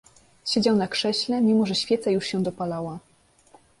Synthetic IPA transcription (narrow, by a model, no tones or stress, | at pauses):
ɕed͡ʑawnakʂɛɕlɛmʲimɔʐɛɕfʲjɛt̪sajuʂɕɛ̃d̪ɔpalawa